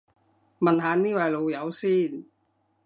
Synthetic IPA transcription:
mɐ˨nɦaː˨˧niː˥wɐ˨˩jlo˨˧wjɐ˨˧˥wsiː˥˩n

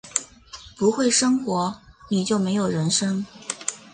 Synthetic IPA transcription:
pu˧˥xwe˥˩ɪʂɤ˥ŋxwɔ˧˥ni˨˩t͡ɕjo˥˩ʊme˧˥ɪjo˨˩ʊɻə˧˥nʂɤ˥ŋ

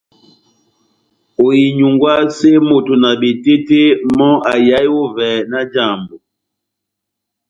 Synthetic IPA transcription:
o˨ji˨ɲu˨ŋɡwa˦se˦mo˨to˨na˨bi˨te˦te˦mɔ˦ʔa˨ja˨˦ju˦vɛ˨na˦d͡ʒa˨mbu˨

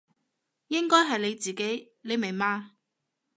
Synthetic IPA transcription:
jɪ˥ŋkɔː˥jɦɐ˨jle˨˧jt͡siː˨ke˨˥j | le˨˧jme˨˩jmaː˧

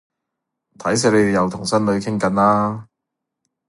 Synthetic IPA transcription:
t̪ʰɐ˨˥js̬ɛː˧le˨˧d̪e˨jɐ˨˧wt̪ʰʊ˨˩ŋsɐ˥nlɵ˨˧ɥkʰɪ˥ŋkɐ˨˥nlaː˥

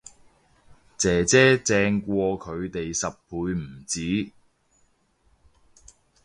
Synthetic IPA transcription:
t͡sɛː˨˩t͡sɛː˥t͡sɛː˧ŋkʷɔː˧kʰɵ˨˧ɥt̪e˨jsɐ˨p̚ʰuː˨˧jm̩˨˩t͡siː˨˥

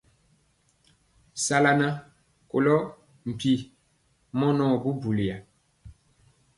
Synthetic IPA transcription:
sa˦la˦na˦ | ko̰˨lɔ˦ | m̩˨pi˨ | mɔ˦nɔ˦bu˦bu˨li˨a˨

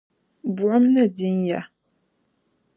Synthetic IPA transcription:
bu˨ʔa˦mna˦di˦nja˨

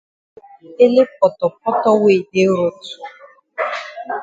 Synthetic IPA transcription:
e˦le˦p̚ɔ˨tɔ˨p̚ɔ˦tɔ˦we˦˨de˦ɾo˦tu̥˨

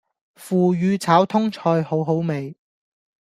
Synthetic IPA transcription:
fuː˨jyː˨˧t͡sʰaː˨˥wt̪ʰʊ˥ŋt͡ʃʰɔː˧jho˨˥wɦo˨˥wme˨j

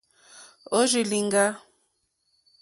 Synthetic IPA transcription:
o˦ʒi˨li˨ŋɡa˦

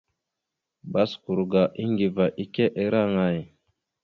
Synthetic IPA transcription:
ba˦sku˨ɾɡa˨ʔi˦ŋɡi˨va˨ʔi˦ke˦ʔe˦ɾa˦ŋa˨j

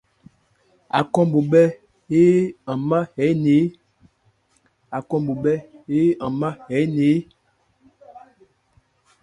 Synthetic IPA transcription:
a̰˨kɔ˦mbo˨bɛ˦ | he˦a˨ma˦hɛ˨˦ne˨˦ | a˨kɔ˦mbo˨ɓɛ˦e˦ã˨ma˦hɛ˨˦ne˨˦

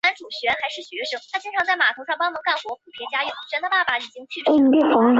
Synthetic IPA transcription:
a˥nʈ͡ʂu˨˩ɕɥɛ˧˥nxa˧˥ɪʂɻ̩˥˩ɕɥɛ˧˥ʂɤ˥ŋt̪ʰa˥t͡ɕi˥ʈ͡ʂʰɑ˧˥ŋt͡sa˥˩ɪma̰˨˩t̪ʰo˧˥ʂɑ˥˩ŋpɑ˥ŋmɤ˧˥ŋka˥˩nxwɔ˧˥pʰu˨˩pʰjɛ˧˥t͡ɕja˥jy˥˩ɕɥɛ˧˥nd̪ə˧pa˥˩pa˨˩i˨˩t͡ɕi˥ŋt͡ɕʰy˥˩i˥˩˧t̪i˥˩fɑ˧˥ŋ˧

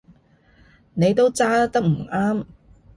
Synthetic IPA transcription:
ne˨˧jt̪o˥wt͡saː˥t̪ɐ˥k̚m̩˨˩ʔaː˥m

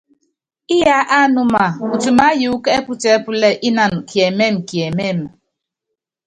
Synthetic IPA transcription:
i˦ja˦ʔa˦nu˨ma˨u˨tu˨ma˦ju˨˦ke˦e˦pu˦t͡ʃe˨˦pu˦le˦ʔi˦na˨n˨kʰi˨e˨me˦˨m̩˨ki˨e˨me˦˨m̩˨

